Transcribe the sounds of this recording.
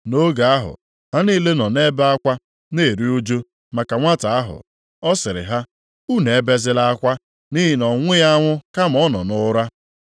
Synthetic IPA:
no˦ɡa˨a˦ɦʊ̰˨ | ha˦ni˦le˦nɔ˨ne˦ba˦kʷa˦ | ne˦˨ɾi˦u˦d͡ʒo˦ | ma˨ka˨ŋʷa˦ta˨a˦ɦʊ̰˨ | ɔ˦sɪ˨ɾɪ̰˨ɦa˦ | u˦ne˨e˦be˦zɪ˦la˦kʷa˦ | ni˦ɦi˨nɔ˨ŋʷɪ˦ja˦ŋʷʊ˦ka˦m˨ɔ˦nɔ˨nʊ˦ɾa˦

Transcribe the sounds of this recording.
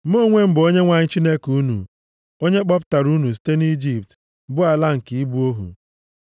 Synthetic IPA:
m̩˦mo˦˨ŋʷe˦m̩˦bo˦ɲe˦ŋʷa˨ɲɪ˦t͡ʃi˦ne˦ku˦nṵ˨ | o˦ɲe˦k͡pɔ˦p̬ʊ̥˦ta˨ɾu˦nu˨s̬i̥˦te˦ni˦d͡ʒi˦p̚t | bʊ˦a˨la˦ŋ̩˨ki˨i˦bu˦o˦ɦṵ˨

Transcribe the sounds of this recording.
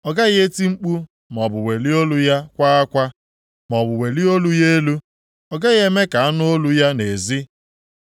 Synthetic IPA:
ɔ˨ɡa˦ɣe˦ti˦ŋ͡m̩˦k͡pu˦ | m˨ɔ˨bʊ˨we˨li˦o˦lu˦ja˦kʷa˦a˦kʷa˦ | mɔ˨bʊ˨we˨li˦o˦lu˦je˦lu˦ | ɔ˨ɡa˦ɣe˦me˦ka˨a˦nʊ˦o˦lu˦ja˦ne˨zi˦

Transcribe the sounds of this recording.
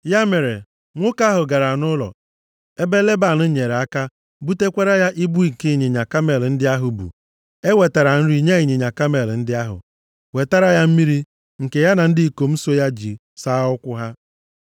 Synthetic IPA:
ja˦me˨ɾe˨ | ŋʷʊ˦ka˦ɦʊ˨ɡa˨ɾa˨nʊ˦lɔ̰˨ | e˦be˦le˦ba˨nʊ˦ɲe˨ɾe˨a˦ka˦ | bu˦te˦kʷe˦ɾa˦ja˦ʔi˦bu˦i˦ŋ̩˨ke˦i˦˨ɲe˨ɲa˨ka˦me˨ln̩˦dɪ˦a˦ɦʊ˨bṵ˨ | e˦we˨ta˨ɾa˨n̩˦ɾi˦ɲe˦i˨ɲe˨ɲa˨ka˦me˨ln̩˦dɪ˦a˦ɦʊ̰˨ | we˨ta˦ɾa˦ja˦m̩˦mi˦ɾi˦ | ŋ̩˨ke˨ja˦na˨n̩˦dɪ˦i˨ko˨m̩˦so˦ja˦d͡ʒḭ˨ | sa˦ʊ˦kʷʊ˦ɦa˦

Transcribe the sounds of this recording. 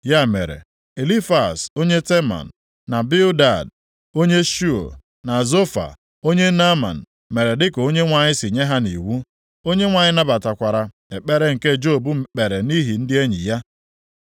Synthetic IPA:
ja˦˨mḛ˨ɾḛ˨ | e˨li˦fa˨so˦ɲe˦te˦ma̰˨n̩ː˨ | a˨bi˦ʊ˦da˨d | o˦ɲe˦ʃu˦o̰˨ | na˨zo˦fa̰˨ | o˦ɲe˦na˦ma̰˨n̩˨ | me˨ɾe˨dɪ˦ko˦ɲe˦ŋʷa˨ɲɪ˦sɪ˨ɲe˦ɦa˦ni˨wu˦ | o˦ɲe˦ŋʷa˨ɲɪ˦na˦ba˨ta˨kʷa˨ɾa˨ | e˨k͡pe˦ɾe˦ŋ̩˨ke˦d͡ʒo˦˨bu˦k͡pe˨ɾe˨ni˦ɦi˨n̩˦dɪ˦e˦ɲḭ˨ja˦

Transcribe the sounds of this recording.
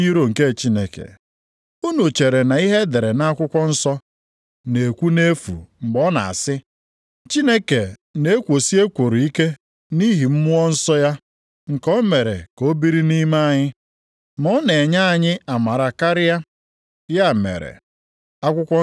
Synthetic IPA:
i˦ɾo˦˨ŋ̩˨ke˦˨t͡ʃi˦ne˨kḛ˨ | u˦no˨t͡ʃe˨ɾe˨na˨i˦ɦe˦de˨ɾe˨na˦kʷʊ˦kʷɔ˦n̩˦sɔ˦ | ne˨kʷu˦ne˦fṵ˨ŋ͡m̩˨ɡ͡bɔ˦na̰˨a̰˨sɪ˦ | t͡ʃi˦ne˦ke˨ne˦kʷo˨si˦e˦kʷo˨ɾu˨i˦ke˦ | ni˦ɦi˨m̩˦mʊ˦ɔ˦n̩˦sɔ˦ja˦ | ŋ̩˨kɔ˦me˨ɾe˨ko˦bi˦ɾi˦ni˦ma˦a˨ɲɪ˦ | mɔ˦ne˨ɲa˦a˨ɲɪ˦a˨ma˨ɾa˨ka˦ɾɪ˦ja˦ | ja˦˨mḛ˨ɾḛ˨ | a˦kʷʊ˦kʷɔ˦

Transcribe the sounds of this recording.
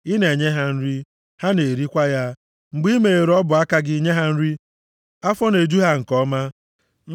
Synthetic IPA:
ɪ˦ne˨ɲe˦ɦa˦n̩˦ɾi˦ | ha˦ne˨ɾi˦kʷa˦ja˦ | ŋ͡m̩˨ɡ͡bi˦me˨e˨ɾɔ˦bʊ˨a˦ka˦ɡɪ˦i˦ɲe˦ɦa˦n̩˦ɾi˦ | a˦fɔ˦ne˨d͡ʒu˦ɦa˦ŋ̩˨kɔ˦ma˦

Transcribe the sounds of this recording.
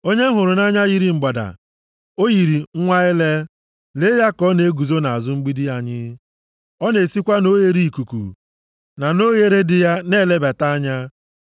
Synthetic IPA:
o˦ɲe˦ɦʊ˨ɾʊ˨na˦ɲa˦ɣi˦ɾi˨ŋ͡m̩˨ɡ͡ba˨da̰˨ | o˦ɣi˨ɾi˨ŋ̩˦ŋʷa˦ɪ˦le˦ | le˦ja˦kɔ˦ne˨e˦ɡu˨zo˦na˨a˨zʊ˦ŋ͡m̩˦ɡ͡bi˦di˦a˨ɲɪ˦ | ɔ˦ne˨si˦kʷa˦no˦je˨ɾi˦i˨ku˨kṵ˨ | na˨no˦ɣe˨ɾe˦dɪ˨ja˦ne˦˨le˦ba˨ta˦a˦ɲa˦

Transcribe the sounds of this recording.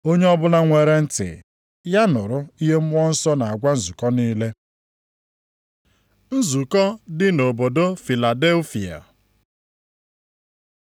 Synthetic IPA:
o˦ɲe˦ɔ˦bʊ˦la˦ŋʷe˨ɾe˦n̩˦tɪ̰˨ | ja˦nʊ˨ɾʊ˦i˦ɦe˦m̩˦ɔ˦n̩˦sɔ˦na˨a˨ɡʷa˦n̩˦˨zu˨kɔ˦niː˦le˦ | n̩˦zu˨kɔ˦dɪ˦no˨bo˨do˦fi˨la˨de˦lfi˨a̰˨

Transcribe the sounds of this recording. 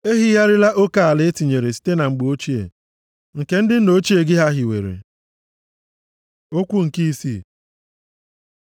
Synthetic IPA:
e˦ɦi˦ja˦ɾɪ˦la˦ʔo˦ka˨a˨lɪ˦e˦ti˨ɲe˨ɾe˨si̥˦te˦na˨ŋ͡m̩˨ɡ͡bo˦t͡ʃi˦ḛ˨ | ŋ̩˨ke˨n̩˦dɪ˦n̩˦no˨˦t͡ʃi˦e˨ɡɪ˦ɦa˦ɦɪ˨wḛ˨ɾḛ˨ | o˦kʷu˦ŋ̩˨ki˦i˦sḭ˦

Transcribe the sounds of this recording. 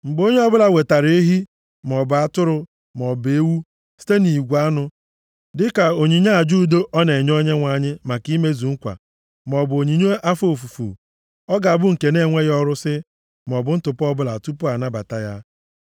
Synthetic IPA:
ŋ͡m̩˨ɡ͡bo˦ɲe˦ɔ˦bʊ˦la˨we˨ta˨ɾe˦e˦ɦi˦ | m˨ɔ˨ba˦tʊ˦ɾʊ˨ | m˨ɔ˨be˦wu˦ | si̥˦te˦ni˨ɡʷa˦nʊ˦ | dɪ˦ka˨o˨ɲi˨ɲa˦a˨d͡ʒu˦˨do˦ʔɔ˦ne˨ɲ˦o˦ɲe˦ŋʷa˦ɲɪ˦ma˨ki˦me˦zu˨ŋ̩˦kʷa̰˨ | m˨ɔ˨bo˨ɲi˨ɲo˦ʔa˦fo˨fu˨fṵ˨ | ɔ˦ɡa˨a˨bʊ˦ŋ̩˨ke˨ne˦˨ŋʷe˦ɣɔ˦ɾʊ˦sɪ˦ | m˨ɔ˨bʊ˨˦n̩˦tʊ˨pɔ˦bʊ˦la̰˨tu˦pʊ˦a˨na˦ba̰˨ta˦ja˦

